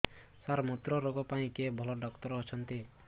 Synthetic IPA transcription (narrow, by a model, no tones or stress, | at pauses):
saɾmɔt̪ɾɔɾoɡɔpaĩkebʱɔlɔɖɔkt̪ɔɾːt͡ʃʰɔnt̪i